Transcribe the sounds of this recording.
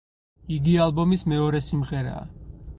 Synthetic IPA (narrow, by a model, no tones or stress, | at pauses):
iɡialˠbɔmismɛɔɾɛsimʁɛɾa̰ː